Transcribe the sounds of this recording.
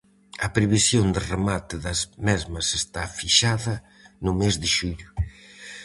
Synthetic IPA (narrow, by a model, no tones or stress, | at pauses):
ɐpɾeβisjond̪ɪremat̪ɪðɐzmɛzmɐsest̪afiʃaðɐ | nʊmezðɪʃuʎʊ